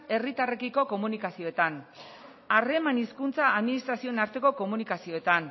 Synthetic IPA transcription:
e̞rit̪are̞kiko̞ko̞munikasio̞e̞t̪an | are̞maniskunt͡saːðminist̪ɾasio̞enaɾt̪e̞ko̞ko̞munikasio̞e̞t̪an

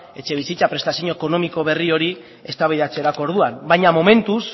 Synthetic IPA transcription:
e̞t͡ʃe̞β̞isit͡sapɾe̞st̪asiɲo̞eko̞no̞miko̞β̞e̞rio̞ɾi | e̞st̪aβajðat͡seɾako̞oɾðuanbajɲamo̞me̞nt̪us

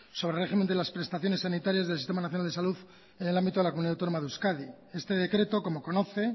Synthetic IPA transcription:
so̞β̞ɾere̞ximend̪elaspɾe̞st̪aθjo̞ne̞sːanit̪aɾjazðelsist̪emanaθjnald̪e̞saluð | enelambit̪oelakomuniawt̪onomaðeuskaði | est̪e̞ðekɾe̞t̪o̞komo̞ko̞no̞θe̞

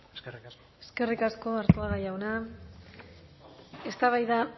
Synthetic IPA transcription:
eske̞rikasko̞aɾt̪uaɣajawna | e̞st̪aβajða

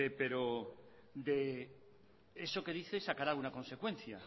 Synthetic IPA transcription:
epe̞ɾo | d̪e̞ | eso̞ke̞ðiθe̞sakaɾaunako̞nse̞kwe̞n̟θja

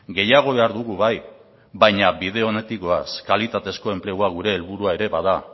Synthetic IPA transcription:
ɡe̞jaɣ̞o̞βe̞aɾðuɣ̞uβaj | βajɲaβið̞e̞o̞ne̞t̪ikoaskalit̪at̪e̞sko̞e̞mple̞ɣuaɣuɾe̞ːlβuɾuae̞ɾe̞βaða

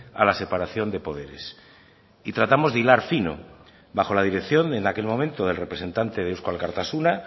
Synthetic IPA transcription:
a̰lase̞paɾaθjo̞nd̪e̞po̞ðe̞ɾe̞̰s | it̪ɾat̪amo̞zðilaɾfino̰ | baxo̞lað̞iɾe̞kθjo̞nenake̞lmo̞mẽnt̪oð̞e̞lre̞pɾese̞nt̪ant̪e̞ð̞euskwalkaɾt̪asuna

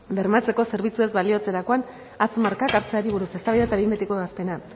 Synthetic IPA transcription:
be̞ɾmat͡se̞ko̞se̞ɾβ̞it͡sue̞zβalio̞t͡se̞ɾako̞an | at͡smaɾkakaɾt͡seaɾiβ̞uɾuse̞st̪aβajðat̪aβimbet̪ekoeβaspe̞na

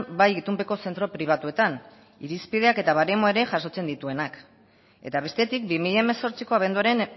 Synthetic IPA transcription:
bajit̪umpe̞ko̞se̞nt̪ɾo̞pɾiβ̞at̪ue̞t̪an | iɾispið̞e̞ake̞t̪aβaɾemoe̞ɾe̞ʝaso̞t͡se̞nd̪it̪ue̞nak | e̞̰t̪aβ̞e̞st̪e̞t̪ik̚bimiʎaemeso̞ɾt͡siko̞aβ̞e̞nd̪uaɾen

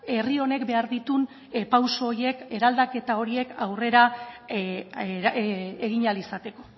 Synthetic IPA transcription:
e̞rio̞ne̞kbe̞aɾðit̪un | pawsoːɾie̞ke̞ɾald̪ake̞t̪ao̞ɾie̞kawre̞ɾa | eɣiɲalisat̪e̞ko̞̥

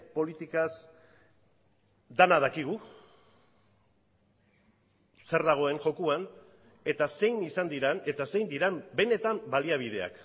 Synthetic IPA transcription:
po̞lit̪ikas | d̪anað̞akiɣ̞u | se̞ɾðaɣ̞o̞e̞ŋʝo̞kuan | e̞t̪ase̞jnisand̪iɾane̞t̪ase̞jnd̪iɾambe̞ne̞t̪ambaliaβ̞ið̞e̞a̰k

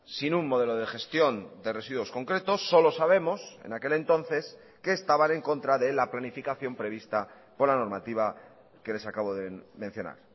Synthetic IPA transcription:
sinummo̞ð̞e̞loð̞e̞xe̞st̪jo̞nd̪e̞re̞siðwo̞sko̞ŋkɾe̞t̪o̞sːo̞lo̞saβ̞e̞mo̞se̞̰nake̞le̞nt̪o̞n̟θe̞s | ke̞ːst̪aβanẽ̞ŋko̞nt̪ɾaðe̞laplanifikaθjo̞mpɾe̞β̞ist̪a | po̞ɾlano̞ɾmat̪iβ̞a | ke̞le̞sakaβ̞o̞ðemẽn̟θjo̞na̰ɾ

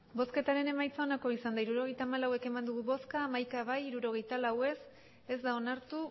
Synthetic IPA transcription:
bo̞ske̞t̪aɾe̞ne̞majt͡sao̞nako̞isand̪aiɾuɾo̞ɣ̞e̞jt̪aːmalawe̞ke̞mand̪uɣ̞uβo̞skaːmajkaβajiɾuɾo̞ɣ̞e̞jt̪alawe̞s | e̞zd̪ao̞naɾt̪u

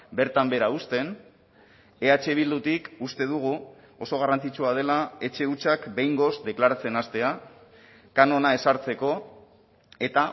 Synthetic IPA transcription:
be̞ɾt̪ambe̞ɾaust̪e̞n | e̞at͡ʃe̞β̞ild̪ut̪ikust̪e̞ðuɣ̞u | o̞so̞ɣ̞arant͡sit͡ʃuað̞e̞lae̞t͡ʃe̞ut͡ʃakbe̞jŋɡo̞sd̪e̞klaɾat͡se̞nast̪e̞a | kano̞nae̞saɾt͡se̞ko̞ | e̞t̪a

